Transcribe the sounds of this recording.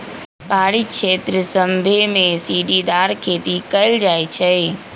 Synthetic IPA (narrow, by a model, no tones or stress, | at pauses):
paɾiʃet̪ɾəsəmbʱemesiɖid̪aɾkʰeːt̪ikəɪld͡ʒajt͡ʃʰɛ